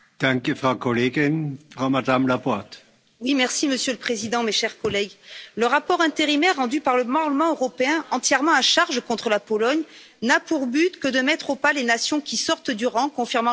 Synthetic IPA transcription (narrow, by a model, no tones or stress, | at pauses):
d̪̥ãŋkəfʁaʊkʰɔleːɡɪnfʁ̥aʊmad̪amlapɔt̪ | wimɛʁsiməsjøləpχezid̪ɑ̃meʃɛʁkɔlɛɡləʁapɔʁɛ̃t̪eʁimɛʁːɑ̃d̪ypaʁləpaʁləmɑ̃øʁɔpeɛ̃ɑ̃t̪jɛʁmɑ̃aʃaʁʒəkɔ̃t̪χəlapɔlɔɲ | napuʁbyt̪kəd̪əmɛt̪χopalenasjɔ̃kʲisɔʁt̪d̪yʁɑ̃kɔ̃fiʁmɑ̃